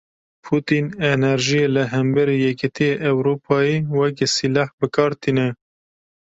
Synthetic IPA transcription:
pʰut̪inenɛɾʒijelɨɦɛmbɛɾijɛkɪt̪ʰijeʔɛwɾuːpʰɑːjiːwɛksilɑːhbɨkʰɑːɾt̪ʰinɛ

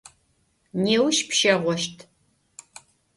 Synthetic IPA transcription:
neːwʃpʃɐʁʷɔʃtʰ

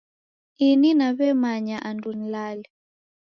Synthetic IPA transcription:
ininaβɛmaɲaʔandun̩lali

